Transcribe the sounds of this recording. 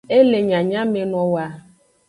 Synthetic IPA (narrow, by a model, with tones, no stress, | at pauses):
e˦le˨ɲã˨ɲã˦me˨nɔ̃˨wa˨